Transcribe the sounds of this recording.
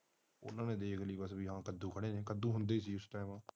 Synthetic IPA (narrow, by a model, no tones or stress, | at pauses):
ʊ̰nãːnẽːd̪eːkʰliːbəsbiːɦãːkəd̪ũːkʰəɽeːneːkəd̪ũːɦʊnd̪eːsiːʊsʈaːmãː